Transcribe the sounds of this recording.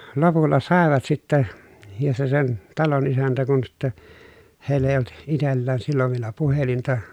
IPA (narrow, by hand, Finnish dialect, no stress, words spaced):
lopulːɑ sɑˑeʋɑt sitːɛ jɑ se sen tɑlon isæntæ kun sitːe heˑi̯lː eˑi olt itelːæːn silːoʋ ʋielæ puhelintɑ